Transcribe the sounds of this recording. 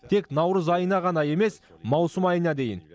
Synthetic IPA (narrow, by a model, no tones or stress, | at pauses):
t̪ʰe̞knɑwɾəzɑjənɑʁɑnɑje̞me̞smɑwsəmɑjənɑd̪e̞jɪ̰n